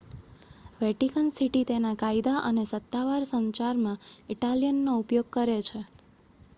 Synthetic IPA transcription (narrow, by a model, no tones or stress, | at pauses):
ʋeʈikənsiʈit̪enakaid̪aʔənesət̪ːaʋaɾsə̃nt͡ʃaɾmãiʈaljənːoupjoɡ̚kəɾet͡ʃʰe